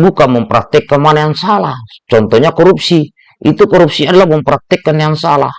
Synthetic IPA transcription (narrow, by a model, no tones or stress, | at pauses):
bukamɔmpɾat̪ːɛkːamanaaŋsalat͡ʃɔnt̪ɔɲakɔɾup̚si | ʔḭt̪ukɔɾup̚siadlamɔmpɾat̪ːɛkːanːeaŋsala̰